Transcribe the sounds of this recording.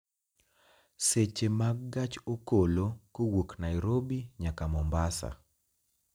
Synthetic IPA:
set͡ʃemaɡɡat͡ʃokolokowoknajɾobiɲakamɔmbasa̰

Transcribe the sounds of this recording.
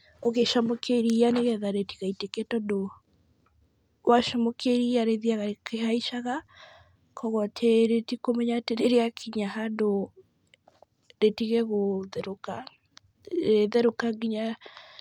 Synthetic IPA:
oɣeʃamɔkeɾianeɣɛðaɾetiɣaitekɛtɔdo | waʃɔmɔkʰeɾiaɾeðiaɣaekehaiʃaɣa | kɔɣɔtʰeɾetikomɛɲateɾeɾeakʰiɲaɦado | ɾetiɣeɣoðeɾoka | eðeɾokaŋɡiɲa

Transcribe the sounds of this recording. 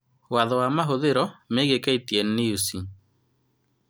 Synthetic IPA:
waðɔwamaɦoðeɾɔmeɣekaitiɛnːeusi

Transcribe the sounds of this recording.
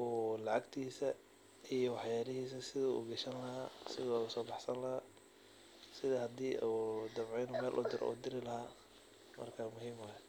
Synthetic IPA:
ɔːlɑʕɑɡt̪ʰiːsɐ | ijɔwɑħjaːlɪhiːsɐsɪðɐṵːɡɐʃɐnlɐɦaːsɪðɔusɔːbɑħsɐnlɐhaː | sɪðɐhɐd̪iːʔuːd̪ɐmʕɛjnʊmɛːlʔʊd̪ɪɾʔṵːd̪ɪɾɪlɐɦaː | mɐ̰rkʰaːmʊɦiːmahɛ

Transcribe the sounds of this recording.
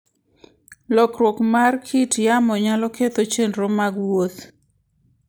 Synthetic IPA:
lɔkɾwokmarkʰitjamɔɲalɔket̪ot͡ʃenɾɔmaɡwot̪

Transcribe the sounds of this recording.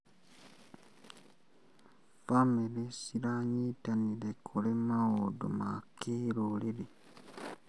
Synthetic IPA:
famelesilaɲitanilekʰulemaodṵmakiɾolili

